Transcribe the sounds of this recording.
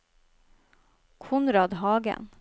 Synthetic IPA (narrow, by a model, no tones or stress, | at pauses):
kʰʊnɾɑd̪ɦɑːɡə̰n